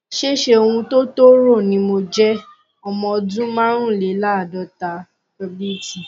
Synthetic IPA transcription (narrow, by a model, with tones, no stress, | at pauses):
ʃe˦˨ʃe˦o˧wũ˧to˦to˦ɾo˦˨nĩ˧˦mo˧d͡ʒɛ˦ | ɔ˧mɔ̃˧dũ˦mã˦ɾ̃ũ˦˨le˨˦la˦˨dɔ˨˦ta˧ | kɔ˧bi˦ti˨